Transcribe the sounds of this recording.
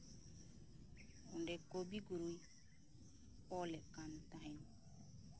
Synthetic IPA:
hundekːobiɡuɾuj | pɔlekantaɦen

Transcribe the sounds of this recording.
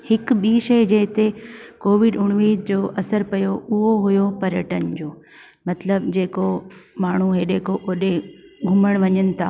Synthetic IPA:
hɪkɓiːʃɐid͡ʑɐɦɪt̪ekoːʋɪɖʊɽ̃ʋiːd̪d͡ʑoːʔɐsəɾpɐjoʊɦoɦujopɐɾjəʈənd͡ʑoː | mɐt̪ləbd͡ʑeːkomaːɳ̤uɦeːɗeːkoʔoːɗeɡʱʊməɽ̃ʋɐɲənɪ̆t̪ʰa̰ː

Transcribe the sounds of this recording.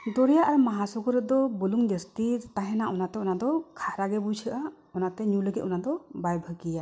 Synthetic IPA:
d̪ɔɾɛjaʔaɾmaɦasɔɡɔɾɛd̪ɔbɔluŋd̪est̪id͡ʒt̪aɦɛnaʔɔnat̪ɛɔnad̪ɔkʰaɾaɡɛbut͡ʃʰəʔa | ɔnat̪ɛɲuləɡɛt̪̚ɔnad̪ɔbajbʱəkija

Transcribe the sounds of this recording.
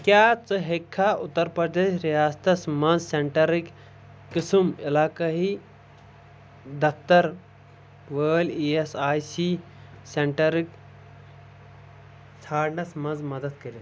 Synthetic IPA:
kjaːt͡sɨɦekʰːaʊt̪ːɐɾpɾɐd̪eːʃɾijaːst̪ɐsmɐ̃nzseɳʈɐɾik | kɨsɨmɪlaːkɐɦi | d̪ɐkt̪ɐɾ | ʋəːliːesaːjsi | seɳʈɐɾik | t̪ʰaːɾnɐsmɐ̃nzmɐd̪ɐd̪kɐɾi

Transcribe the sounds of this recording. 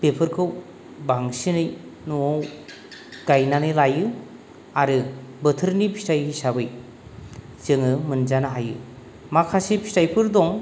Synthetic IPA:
pepʰɯɾkʰɯw | baŋsinɯjnuow | ɡ̥ajnanɯjlajɯ | aɾɯbɯtʰɯɾnipʰi̥stajɦisabɯj | zɯŋɯmɯnd͡ʒanaɦajɯ̰ | makʰasipʰi̥stajpʰɯɾdɔŋ

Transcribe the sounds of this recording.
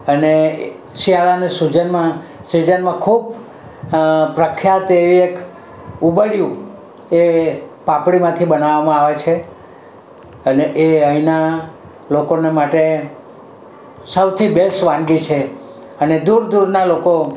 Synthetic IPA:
əne | ʃialanesud͡ʒənmãsid͡ʒənmãkʰub | pɾəkʰjat̪eʋiek | ubəɽjũ | epapɽimãt̪ʰibənaʋamãaʋet͡ʃʰe | əneʔeəina | lokonemaʈe | səwt̪ʰibelsʋãnɡit͡ʃʰe | əned̪uɾd̪uɾnaloko

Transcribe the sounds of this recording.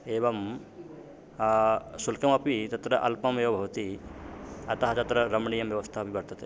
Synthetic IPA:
eːʋɐm | sulkɐmɐpit̪ɐt̪ɾɐʔɐ̰lpɐmeːʋɐbʱɐʋt̪i | ɐt̪ɐɦɐt͡ʃɐt̪ɾɐɾɐmɳijɐmʋjɐʋɐst̪ʰaɦɐpibɐɾt̪ɐt̪e

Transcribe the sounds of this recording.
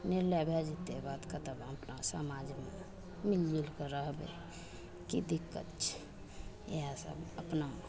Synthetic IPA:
niɾlebʱed͡ʒit̪ebat̪kət̪əbəpnasəmad͡ʒme | milːilkeɾəɦbḛ | kid̪ikːə̰t̪t͡ʃʰɛ̥ | ḛɦasə̰bəpna

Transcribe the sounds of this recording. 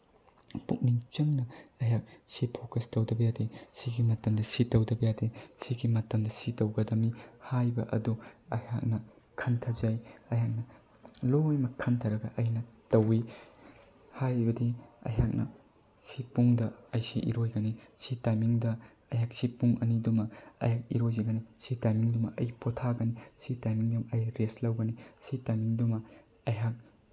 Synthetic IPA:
puk̚niŋt͡ʃɐŋnɐɐjak̚sipʰokɐstɐwdɐbɐjadesiɡimɐtɐmdɐsitɐwdɐbɐjadesiɡimɐtɐmdɐsitɐwɡɐdɐmihajbɐ̰ʔɐ̰duɐhak̚nɐ | kʰɐntʰɐzajɐjak̚nɐ | lojmɐkʰɐntʰɐɾɐɡɐʔɐjnɐtɐwi | hajbɐdiɐ̰jɦak̚nɐ̰ | sipuŋdɐɐjsiʔḭɾojɡɐnisitajmiŋdɐ | ɐjɦak̚sipuŋʔɐnidumɐɐ̰jak̚ḭɾojzɐɡɐnisitajmiŋdumɐʔɐjpotʰaɡɐnisitajmiŋdumɐjɾeslɐwɡɐnisitajmiŋdumɐ | ɐjɦak̚

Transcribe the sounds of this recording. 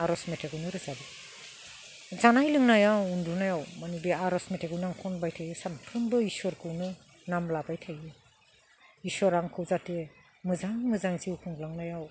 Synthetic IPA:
aɾɔsmetʰeɡɯwnɯɾɯzabi | zanajlɯŋnajawundunajawmanibiaɾɔsmetʰeɡɯwnaŋkʰɔnbajtʰajɯsanpʰɾɯmbɯisɔɾkʰɯwnɯ | namlabajtʰajɯ | isɔɾaŋkʰɯwzate | mɯzaŋmɯzaŋziwkʰuŋlaŋnajaw

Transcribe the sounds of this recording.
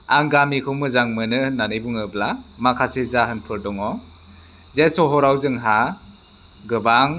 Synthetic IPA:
aŋɡamikʰɯwmɯzaŋmɯnɯnanɯjbuŋɯblamakʰasezaɦɯnpʰɯɾdɔŋɔ | zesɔɦɔɾawzɯŋɦa | ɡɯbaŋ

